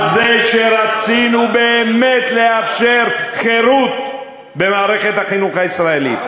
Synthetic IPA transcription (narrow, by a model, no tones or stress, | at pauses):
zeʃeɾat͡sinubeːme̞t̪le̞afʃe̞ɾχe̞ɾut̪ | be̞maːʁe̞χe̞t̪haχinuχaisʁaelḭt̪